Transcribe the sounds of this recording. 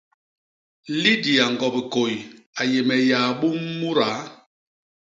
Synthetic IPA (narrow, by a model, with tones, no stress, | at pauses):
li˦di˨a˨ŋ˨ɡɔ˨bi˨ko˨j | a˨je˨mɛ˨ja˨ɓu˦mːu˦ɾa˨˦